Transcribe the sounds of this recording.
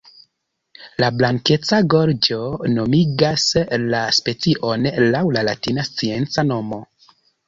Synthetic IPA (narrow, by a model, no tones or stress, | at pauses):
lablaŋke̞t͡saɡo̞ɾd͡ʒono̞miɡaslaspe̞t͡siʔo̞nlawlalatinast͡sie̞nt͡sano̞mo̞